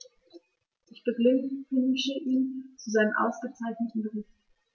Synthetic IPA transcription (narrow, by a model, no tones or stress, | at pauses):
ʔɪçb̥əɡnʃəʔiːnt͡suzaɪnəmʔa̰ʊsɡ̥ət͡saɪçnətn̩bəʁɪçt